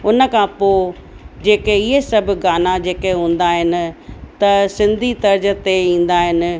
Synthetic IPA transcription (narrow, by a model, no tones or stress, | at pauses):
ʊnə̆kʰãpo | d͡ʑeːkeɪɦesɐbʱʊɡaːnad͡ʑeːkeɦũːn̆d̪aːɦɪnɪ̆t̪ɐsɪ̃nd̪ʱit̪ɐɾd͡ʑə̆t̪eĩːn̆d̪aːɦɪnɪ̆